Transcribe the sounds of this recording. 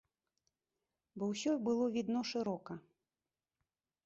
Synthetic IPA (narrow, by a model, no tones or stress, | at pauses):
bɔwsʲɔbɨlˠɔvʲid̪nɔʂɨɾɔkɐ